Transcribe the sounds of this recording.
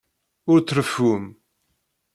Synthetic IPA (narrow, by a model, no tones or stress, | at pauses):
ʊɾt͡sːɾəfːum